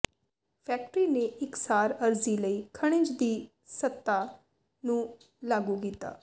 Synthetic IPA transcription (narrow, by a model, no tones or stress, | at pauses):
pʰɛːk̚ʈɾiːneːɪksaːɾəɾziːləiːkʰəɽ̃ɪ̃t͡ʃd̪iː | sət̪ːaː | nũː | laːɡuːkiːt̪a̰ː